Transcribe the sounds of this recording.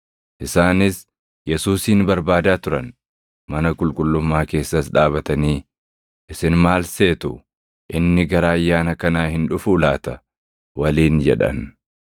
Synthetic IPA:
ʔɪsaːnɪs | jɛsuːsiːnbɐɾbaːd̪aːt̪ʊɾɐn | mɐnɐkʼʊlkʼʊlːʊmːaːke̞ːsːɐsᶑaːβɐt̪ɐniː | ʔɪsɪnmaːlse̞ːt̪ʊ | ʔɪnːɪɡɐɾaːɐjːaːnɐkɐnaːhɪnᶑʊfʊːlaːt̪ɐ | wɐliːnd͡ʒɛ̰ᶑɐ̰n

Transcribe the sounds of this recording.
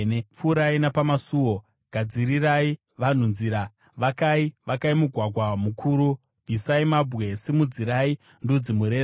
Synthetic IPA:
nep͡fuːɾainapamasuːwo̞ | ɡ̥ʱad͡ziɾirai | ʋan̤unziɾa | ʋakaiʋakaimuɡʱwaɡʱwamukʰuːɾu | b̥ʱisaimabwe̞simud͡ziɾai | ndud͡zimuɾeː

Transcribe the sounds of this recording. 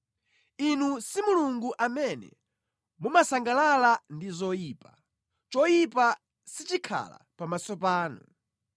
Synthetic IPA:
inusimuluŋɡuʔamɛnɛ̰ | mumasaŋɡalalandizɔjiːpa | t͡ʃɔjipa | sit͡ʃikʰa̰la̰pamasɔpaːnu

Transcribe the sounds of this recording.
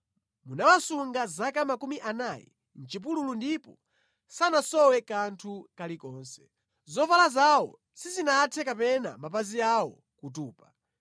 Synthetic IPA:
munawasuŋɡazakamakumiʔanajɛ̰ | n̩t͡ʃip̬ululundipɔ | sanasɔwɛkantʰukalikɔːnsɛ̥ | zɔfalazawɔ̰ | sizinatʰɛkapɛna̰map̬aziawɔ | kutuːpa

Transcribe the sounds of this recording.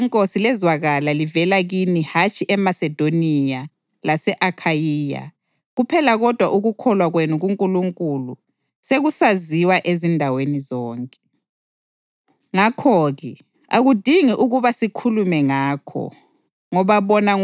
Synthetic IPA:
ŋkʼosilɛzwaɣalalivɛlaɣinihat͡ʃʰʼiʔɛmasɛd̥ʱonija | lasɛʔakʰajiːja̰ | ɣupʰɛlaɣɔd̥ʱwaʔuɣukʰɔlwaɣwenuɣuŋkʼuluŋkʼulu | seɣusaziwaʔezindʱawenizɔːŋkʼɛ | ŋakʰɔɣɛ | aɣud̥ʱiŋiʔuɣuβasikʰulumɛŋaːkʰɔ̰ | ŋɔβaβɔnaŋ

